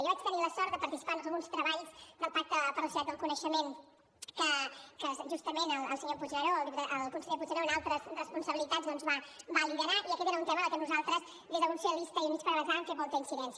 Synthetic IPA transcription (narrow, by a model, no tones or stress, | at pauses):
jɔβat͡ʃt̪əniləsɔɾt̪d̪əpəɾt̪isi̥panəlˠɣunst̪ɾəβaʎsd̪əlˠpak̚t̪əpəɾləsinat̪̚d̪əlˠkunəʃəmen | kəkəʒust̪əmenəlˠəlˠsəɲoput͡ʃəɾolˠiəʔəlˠkunsəɲoput͡ʃəɾonalˠt̪ɾəzrəspunsəβilit̪azðɔnzβabaliðəɾaʔiəkɛt̪eɾaunt̪ɛməəkɛnuzalˠt̪ɾəz | ðezðəlɣunseəlβist̪əiumit͡ʃpəɾβəzaə̃mɱfemɔlˠt̪əinsiðɛnsə